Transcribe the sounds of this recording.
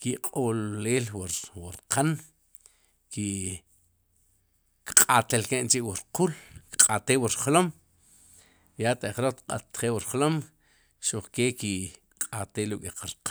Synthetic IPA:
kiqʼollːeːlwwaɾqʰan | ki | kqʼat̪elkeʔnt͡ʃiʔwuɾqulkqʼat̪eːwuɾχlom | jat̪aχɾot̪qʼa̰t̪χeːwuɾlom | ʃoχkeːki | qʼat̪eːlukʼiqaɾq

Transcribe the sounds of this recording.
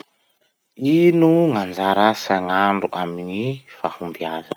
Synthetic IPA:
inuŋand͡zaɾasaŋaɳɖ͡ʐuʔaminifahumbiazə

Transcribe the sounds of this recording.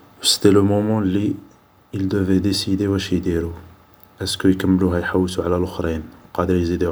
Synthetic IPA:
wəst̪eləmɔmɑ̃li | ild̪əved̪esid̪ewæʃjd̪iɾu | ʔæskəjkəmːluɦæjħawːisuʕlælʊxɾinwqɑd̪əɾjzid̪e

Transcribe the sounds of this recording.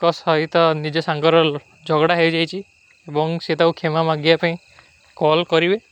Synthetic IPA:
kɔsɔit̪ɔnid͡ʒɔsaŋkɔɾɔ | d͡ʒʱɔɡɽaɦebd͡ʒajt͡ʃʰi | ebɔŋset̪aukʰemamaɡjapaĩ | kɔlkɔɾibe

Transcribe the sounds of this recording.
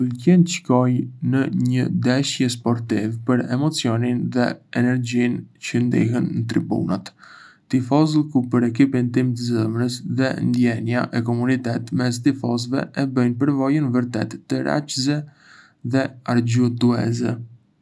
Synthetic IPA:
ulcɛnt͡ʃkɔjnəɲəd̪ɛʃjəspɔɾt̪ivpəɾɛmɔt͡siɔninðɛɛnɛɾɟincənd̪ḭɦənːət̪ɾḭbṵnat̪ː | ifɔzlˠkupəɾɛkipint̪imt̪əzəmɾəsðɛ̰nd̪jɛnja̰ʔɛkɔmunit̪ɛt̪mɛs̬t̪ifɔzvɛ̰ʔɛbəjnpəɾvɔjənvəɾt̪ɛt̪ːəɾa̰t͡ʃzɛ | ðɛaɾɟut̪uɛ̰zɛ

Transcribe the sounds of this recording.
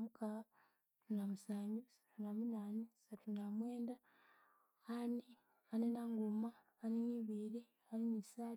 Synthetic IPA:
mukaa | tunamusaːɲɟusatunamunaːnesatunamwe̞ːnda | ani | anenaŋɡumaː | neniːβili | aninisaː

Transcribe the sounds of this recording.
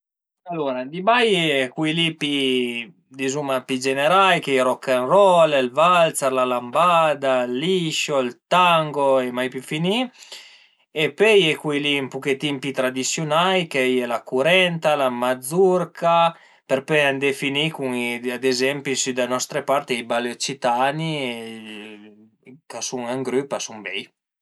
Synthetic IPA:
alːoɾad̪ibajɛkwilipi | d̪izumapid͡ʒeneɾajkejɾɔkːanrɔlelvalt̪saɾlalambad̪alːiʃoilt̪aŋɡoemajpjufini | epøjɛkwilimpuket̪impit̪ɾad̪isjunajkejɛlakuɾɛnt̪alamad̪zurka | peɾpeand̪efinikuŋiad̪ezɛmpisyd̪anɔst̪ɾepaɾt̪iibalot͡ʃit̪ani | kasuŋaŋɡɾypasumbɛj

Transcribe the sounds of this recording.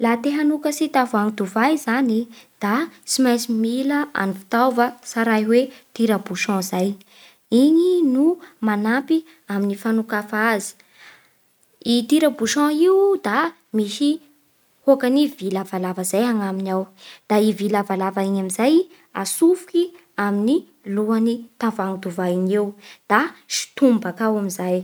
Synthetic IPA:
lat̪eɦanukəsit̪avuaŋid̪uvajzanid̪̥at͡simajsimiləʔa̰nifi̥t̪awvəsaɾajwet̪iɾəbuʃɔ̃zaj | iɲinumanapi | aminifanukafazi̥ | it̪iɾabuʃɔ̃iud̪a | miʃi | hokanivilavalavəzajaŋaminawd̪̥aivilavalavaiɲamizaj | asufuki | amini | luanit̪ãvaŋud̪uvaiɲewd̪̥aʃi̥t̪umbakawamizaj

